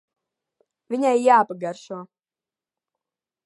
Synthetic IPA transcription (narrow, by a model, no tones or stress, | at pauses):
vʲinʲajjaːpaɡaɾʃuɔ